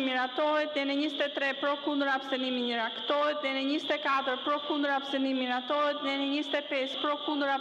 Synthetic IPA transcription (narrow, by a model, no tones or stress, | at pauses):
miɾat̪ɔɦɛt̪nɛnɛɲəzɛt̪ɛt̪ɾɛpɾɔkund̪əɾapsənimiɲəɾakt̪ɔɦɛt̪nɛnɛɲizɛt̪ɛkat̪əɾpɾɔkund̪əɾapsənimiɾat̪ɔɦɛt̪nɛnɛɲizɛt̪ɛpɛspɾɔkund̪əɾa